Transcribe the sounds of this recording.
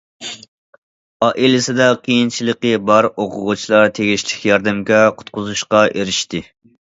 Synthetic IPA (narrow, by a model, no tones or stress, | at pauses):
ɑʔilɪsɪd̪ɛqʰijint͡ʃʰilˠəqəbɑɾoqʰʊʁut͡ʃʰilˠɑɾt̪ʰeɡʲiʃlɪkʲʰjɑɾd̪ɨmɡʲɛqʰʊ̥t̪̚qʊzuʃqɑʔeɾɪʃt̪ɪ